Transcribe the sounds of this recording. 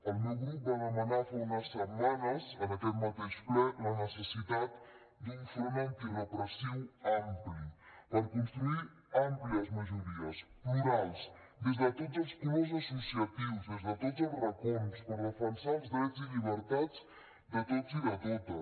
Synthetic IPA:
əlˠmɛwɣɾup̚banəmənafaunəsːəmanəzənəkɛt̪mət̪iʃklɔlənəsəsit̪at̪ | d̪iɱfuɾmant̪ilopɾosiwamplipəɾkunst̪ɾui | ampliəzməʒuɾiəspluɾajz | d̪ezðət̪ozəlˠspumezəsusiət̪iwzezðət̪ɔzəlrəkunspəɾrəfənsalzðɾɛziʎiβ̞əɾt̪ad͡z | d̪ət̪oziðət̪ot̪ə

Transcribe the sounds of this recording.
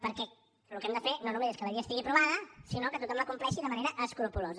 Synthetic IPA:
pəɾkɛ | lukɛmd̪əfenonumezeskəβəɾiəst̪iɣipɾuβaðəsinokət̪ut̪ɔmləkumplɛʃiðəməneɾəʔəskɾupuloz

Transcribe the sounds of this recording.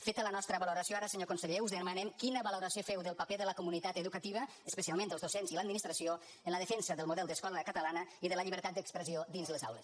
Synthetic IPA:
fet̪ələnɔst̪ɾəβaluɾasioaɾəsəɲokunsəʎeuzðəmanɛmkinəβaluɾasiofɛwðəlˠpapeðələkumunit̪at̪əðukət̪iβ̞əːspəsialˠmẽnd̪əlzðusenziləd̪minist̪ɾɐsio | ənləðəfensəðəlˠmuðɛlˠd̪əskɔləkət̪əlanəiðələʎiβəɾt̪at̪̚d̪əkspɾəziod̪inzləza̰wlə̰s

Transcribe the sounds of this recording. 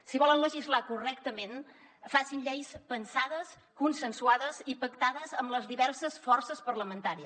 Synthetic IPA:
siβɔlənləʒizlakurɛkt̪əmen | fasinʎejspənsaðəs | kunsənsuaðəzipəkt̪aðəzəmləzðiβɛɾsəsfɔrsəspəɾləmənt̪aɾiə

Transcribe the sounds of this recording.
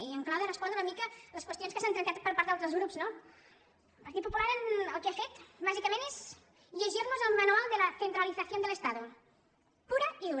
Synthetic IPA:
iəŋklawðərəspond̪ɾunəmikələskwəst̪jonskəsant̪ɾɐnk̪at̪̚pəɾpaɾt̪alˠt̪ɾəzɣɾupzno | lˠpɐɾt̪it̪pupulaɾənəlˠkeafet̪baʒikəmẽnez | ʎəʒirnuzəlˠmanualˠd̪əlɐθent̪ɾaliθɐθjond̪ələst̪aðu | puɾɐiðu

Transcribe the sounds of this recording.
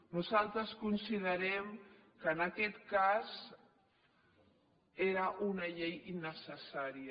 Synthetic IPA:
nuzalˠt̪ɾəskunsiðəɾɛm | kəːnɐkɛt̪kaz | eɾəʔunəʎejinəsəsaɾiə

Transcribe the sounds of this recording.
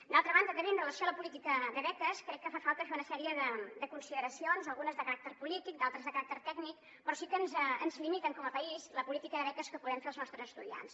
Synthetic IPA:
d̪alˠt̪ɾəβand̪əɣəβinrələsioaləpulit̪ikəðəβɛt̪əskɾɛkːəfafalˠt̪əfeunəsɛɾiəðəd̪əkunsiðəɾəsionzəlˠɣunəzðəkəɾak̚t̪ərpulit̪ik̚d̪alˠt̪ɾəzðəkəɾak̚t̪ərt̪ɛɡnik̚ | pɾɔsikənzənzlimit̪əŋkɔməpəizləpulit̪ikəðəβɛt̪əskəpuðɾɛmfeəlˠznɔst̪ɾəzəst̪uðia̰ns

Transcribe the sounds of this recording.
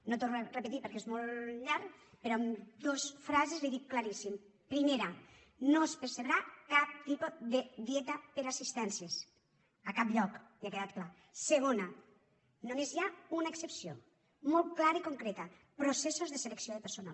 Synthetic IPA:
not̪orepet̪ipeɾkezmolˠʎaɾk | peɾɔamd̪osfɾazezliðiwklaɾisim | pɾimeɾa | noespeɾseβɾakap̚t̪ipoðeðiɛt̪əpeɾasist̪ɛnsjes | əkapʎɔkliakeðat̪kla | seɣ̞ona | nomezjaunaeksepsio̰ | mɔlˠt̪klaɾaikoŋkɾet̪ə | pɾosesozðeseleksioðepeɾsona̰

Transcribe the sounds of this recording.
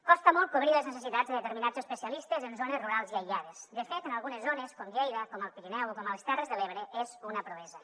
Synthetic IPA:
kɔst̪əmɔlˠt̪koβ̞ɾileznes̬esit̪adzd̪eðet̪eɾminad͡zəspəsialist̪ezenzonezruɾalˠziajʎað̞esd̪əfet̪ənalˠɣunezːoneskoŋʎejðəkɔməlˠpiɾinɛwkɔməlest̪ɛrezðeleβ̞ɾeʔezunəpɾoβɛzə

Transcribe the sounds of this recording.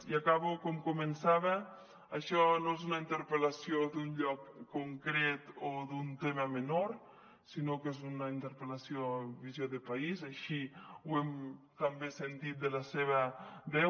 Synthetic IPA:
iakaβokɔmkumensaβ̞aː | ʃɔnoezunaint̪eɾpelasiod̪unʎɔkːoŋkɾet̪oðunt̪emamenoɾ | sinokezunaint̪eɾpelasioβizjoðepaizaʃiwem | kambesent̪it̪̚d̪elaseβadɛ

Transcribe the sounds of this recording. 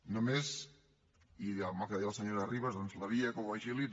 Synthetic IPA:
nomez | iamalˠkeðialˠsəɲoɾariβazðonzlaβiakoaʒili

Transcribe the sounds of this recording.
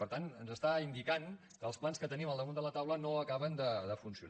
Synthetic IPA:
pəɾt̪anənzəst̪aind̪ikan | kəːlˠsplanskət̪əniməlˠd̪əmund̪ələt̪awlənoəkaβənd̪əd̪əfunsiṵ

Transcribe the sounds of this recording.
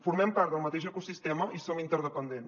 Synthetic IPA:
fuɾmɛmpaɾt̪əlˠmət̪eʒəkusist̪ɛməʔisomint̪əɾðəpənd̪en

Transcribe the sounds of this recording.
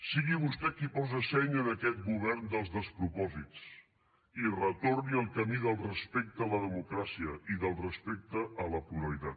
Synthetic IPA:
siɣiβust̪ɛkipɔzəsɛɲənəkɛt̪̚ɡuβɛɾnd̪əlˠzðəspɾupɔzit͡s | irət̪orniəlˠkəmiðəlˠrəspek̚t̪əələðəmukɾasiəʔiðəlˠrəspek̚t̪əʔːləpuɾəlit̪at̪

